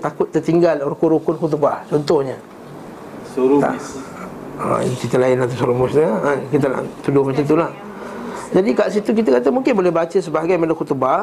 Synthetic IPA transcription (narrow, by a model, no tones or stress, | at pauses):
t̪akʊt̪ːərt̪iŋɡalɾukuɾukʊnxut̪̬ubaht͡ʃɔnt̪ɔhɲə | t̪a̰ | ə̰t͡ʃit̪əlaɪnat̪asoɾomʊsɲəəkit̪̬ana̰ʔt̪udʊhmat͡ʃamt̪̬ulah | d͡ʒadikaʔsit̪uk̬it̪akat̪əmuŋkɪnbolɛhbat͡ʃəsəbaɦaɡajmedɔŋxut̪uba